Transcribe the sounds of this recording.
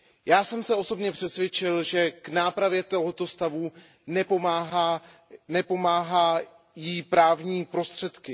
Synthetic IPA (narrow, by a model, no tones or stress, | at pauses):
jaːsɛmsɛo̞so̞bɲɛpr̝̥ɛsvjɛt͡ʃɪlʒɛknaːpɾavjɛt̪o̞ɦo̞t̪o̞st̪avu | nɛpoaːɦa | nɛpo̞maːɦaː | jipɾaːvɲiːpɾo̞st̪r̝̥ɛt̪kɪ